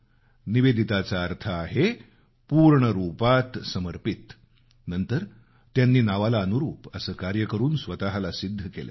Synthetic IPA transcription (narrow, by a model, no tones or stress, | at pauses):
niʋed̪ʱit̪at͡saːɾt̪ʰaːɦe | puːɾɳəɾupat̪səməɾpit̪ | nənt̪əɾ | t̪janːiːnaʋalaənuɾuːpəsəːkaɾjəkəɾuːnsʋət̪aɦalasid̪ʱːəkelḛ